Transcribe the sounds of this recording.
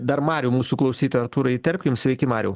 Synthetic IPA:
d̪ɐɾmɑːɾʲuːmuːsuklˠɐʊsʲiːt̪ojɐɾt̪uːɾɐit̪ʲɛɾʲpʲkʲɪmsʲʋʲɛɪkʲɪmɑːɾʲɛʊ

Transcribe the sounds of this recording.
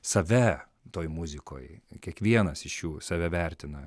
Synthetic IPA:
sɐʋʲɛ | t̪oːjmʊzʲɪkoːjkʲiɛkʋʲiɛnɐsɪʃjuːsɐʋʲɛʋʲæɾʲt̪ʲɪnɐ

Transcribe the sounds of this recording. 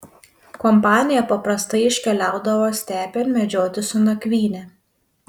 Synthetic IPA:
kɔmpɑːnʲɪjɛpɐpɾɐst̪ɐɪɪʃʲkʲɛlʲaˑʊd̪ɐʋoːsʲt̪ʲæːpʲɛːnmʲɛd͡ʒʲoːt̪ʲɪsʊnɐkʲʋʲiːnʲɛ

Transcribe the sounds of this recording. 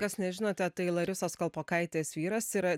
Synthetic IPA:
kɐsnʲɛʒʲɪnoːt̪ʲɛt̪ɐɪlˠɐɾʲʊsoːskɐlˠpoːkɐɪt̪ʲeːsʋʲiːɾɐsiɾɐ

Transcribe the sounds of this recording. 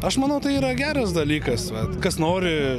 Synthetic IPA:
ɐʃmɐnɐʊt̪ɐɪiːɾɐɡʲæːɾɐsd̪ɐlʲiːkɐsʋɐt̪kɐsnoːɾʲɪ

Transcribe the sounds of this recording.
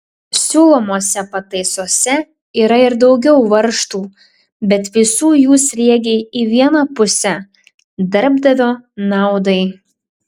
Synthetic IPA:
sʲuːlˠoːmoːsʲɛpɐt̪ɐɪsoːsʲɛ | iːɾɐɪɾd̪ɒʊɡʲɛʊʋɐɾʃt̪uː | bʲɛt̪ʋʲɪsuːjuːsʲɾʲiɛɡʲeɪiʋʲiɛnɐpʊsʲɛ | d̪ɐɾbd̪ɐʋʲoːnɑˑʊd̪ɐɪ

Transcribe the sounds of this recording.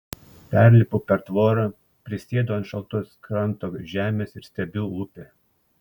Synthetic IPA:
pʲæˑɾʲlʲɪpʊpʲɛɾt̪ʋoːɾɐ | pʲɾʲɪsʲeːd̪oːɐnt̪ʃɐlˠt̪ʊskɾɐnt̪oːʒʲæːmʲeːsɪɾsʲt̪ʲɛbʲʊuːpʲeː

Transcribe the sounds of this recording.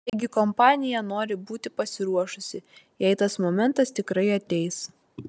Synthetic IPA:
ɛɪɡʲɪkɔmpɑːnʲɪjɛnoːɾʲɪbuːt̪ʲɪpɐsʲɪɾuɔʃʊsʲɪ | jɛɪt̪ɐsmomʲɛnt̪ɐst̪ʲɪkɾɐɪɐt̪ʲɛɪs

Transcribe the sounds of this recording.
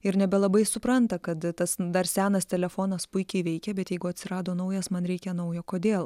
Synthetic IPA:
ɪɾnʲɛbʲɛlˠɐbɐɪsʊpɾɐnt̪ɐkɐt̪t̪ɐsd̪ɐɾsʲæːnɐst̪ʲɛlʲɛfoːnɐspʊɪkʲɛɪʋʲɛɪkʲɛbʲɛt̪jɛɪɡʊɐt̪ʲsʲɪɾɑːd̪oːnɐʊjɛsmɐnɾʲɛɪkʲɛnɐʊjoːkoːd̪ʲeːlˠ

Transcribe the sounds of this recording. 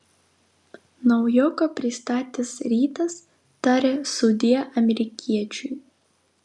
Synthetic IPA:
nɐʊjoːkopʲɾʲɪst̪ɑːt̪ʲesɾʲiːt̪ɐs | t̪ɑːɾʲesʊd̪ʲiɛʔɐmʲɛɾʲɪkʲʰiɛt͡ʃʲuj

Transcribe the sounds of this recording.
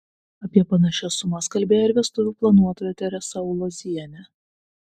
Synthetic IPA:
ɐpʲiɛpɐnɐʃʲɛsʊmɐskɐlʲbʲeːjoːɪɾʲʋʲiɛst̪ʊʋʲuːplˠɐnuɔt̪oːjot̪ʲɛɾʲɛsɐʊlˠɔzʲiɛnʲɛ

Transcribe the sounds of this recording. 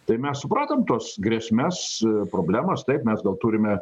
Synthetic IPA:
t̪ɐɪmʲɛssʊpɾɑːt̪ɐmt̪oːsɡɾʲiɛsʲmʲɛspɾoːbʲlʲæːmɐst̪ɐɪpmʲɛsɡɐlˠt̪uːɾʲɪmʲɛ

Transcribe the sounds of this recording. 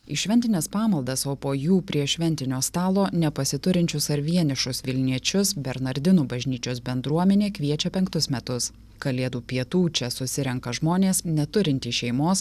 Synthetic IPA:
ɪʃʲʋʲɛnʲt̪ʲɪnʲɛspɑːmɐlˠd̪ɐsoːpoːjuːpʲɾʲiɛʃʲʋʲɛnʲt̪ʲɪnʲoːst̪ɑːlˠoːnʲɛpɐsʲɪt̪ʊɾʲɪnʲt͡ʃʲʊsɐɾʲʋʲiɛnʲɪʃʊsʋʲɪlʲnʲiɛt͡ʃʲʊsbʲɛɾnɐɾʲd̪ʲɪnuːbɐʒʲnʲiːt͡ʃʲoːsbʲɛnd̪ɾuɔmʲɛnʲeːkʋʲiɛt͡ʃʲɛpʲɛŋk̚t̪ʊsmʲɛt̪ʊs | kɐlʲeːd̪uːpʲiɛt̪uːt͡ʃʲɛsʊsʲɪɾʲɛŋkɐʒmoːnʲeːsnʲɛt̪ʊɾʲɪnʲt̪ʲiːʃʲɛɪmoːs

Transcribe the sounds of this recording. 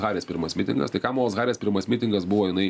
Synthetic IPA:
ɣɑːɾʲeːspʲɪɾmɐsʲmʲɪt̪ʲɪ̰ŋɡɐ̰st̪ɐɪkɑːmoːsɣɑːɾʲeːspʲɪɾmɐsmʲɪt̪ʲɪŋɡɐsbʊʋoːɪnɐɪ

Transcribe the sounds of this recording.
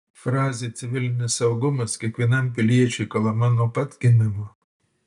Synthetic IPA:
fɾɑːzʲeːt̪sʲɪʋʲɪlʲɪnʲɪsɐʊɡʊmɐskʲiɛkʋʲiɛnɐmʲpʲɪlʲiɛt͡ʃʲɛɪkɐlˠɐmɐnuɔpɐt̪ʲɡʲɪnʲɪmoː

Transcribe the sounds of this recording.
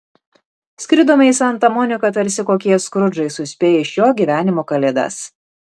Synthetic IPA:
sʲkʲɪɾd̪oːmɐɪsɐnt̪ɐmɔːnʲɪkɐt̪ɐɾʲsʲɪkoːkʲiɛskɾʊd͡ʒɐɪsʊsʲpʲeːjɛɪʃʲjoːɡʲiːʋʲæːnʲɪmoːkɐlʲɛd̪ɐ̰s

